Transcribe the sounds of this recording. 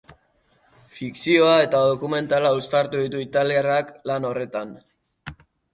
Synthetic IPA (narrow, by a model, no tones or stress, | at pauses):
fiksio̞ae̞t̪að̞o̞kume̞nt̪alaust̪aɾt̪uðit̪uit̪aliaraklano̞re̞t̪an